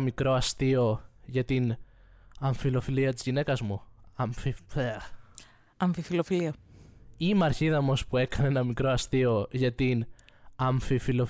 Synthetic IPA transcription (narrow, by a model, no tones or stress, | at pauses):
mikɾo̞ɐst̪io̞ʝɐt̪in | ɐɱfilo̞filiɐt̪izʝine̞kɐzmuɐɱfifeɐ | ɐɱfifilofiliɐ | imɐɾçiðɐomo̞spue̞kɐneenɐmikɾo̞ɐst̪io̞ʝɐt̪inɐɱfifilo̞